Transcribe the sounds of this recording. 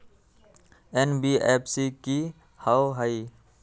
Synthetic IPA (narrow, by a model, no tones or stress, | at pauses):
enbiepsiki | hawɦəi